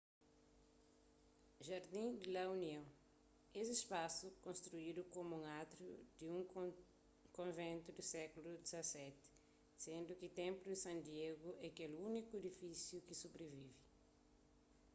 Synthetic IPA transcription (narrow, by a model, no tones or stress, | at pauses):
ʒaɾd̪ĩd̪ilauniɐ̃w̃ | ezispasukõnst̪ɾuid̪ukomuũŋat̪ɾud̪iũŋ | kõvẽnt̪ud̪isɛkulud̪izɐsɛt̪ɪ̥ | sẽnd̪ukit̪ẽmpludisɐ̃nd̪ieɡuʔɛkelunikued̪ifisjukisubɾevivi